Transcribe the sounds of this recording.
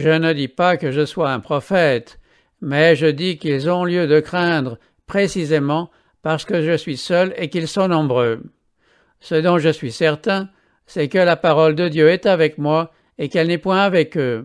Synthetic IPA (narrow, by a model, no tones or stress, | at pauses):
ʒənəd̪ipakəʒəswaɛ̃pχɔfɛt̪ | mɛʒəd̪ikilzɔ̃ljød̪əkχɛ̃d̪ʁə | pχesizemɑ̃ | paʁsə̥kəʒəsɥisœlekilsɔ̃nɔ̃bʁø | səd̪ɔ̃ʒəsɥisɛʁt̪ɛ̃ | sɛkəlapaʁɔld̪əd̪jøɛt̪avɛkmwa | ekɛlnɛpwɛ̃avɛkø